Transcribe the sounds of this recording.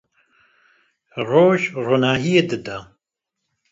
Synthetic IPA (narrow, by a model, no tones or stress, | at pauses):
roːʒronaːɦijed̪ɨd̪a